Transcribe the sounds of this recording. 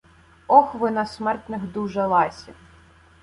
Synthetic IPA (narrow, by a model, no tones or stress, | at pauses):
ɔxʋɪnɐsmɛrt̪nɪxd̪uʒɐlˠɑsʲɐ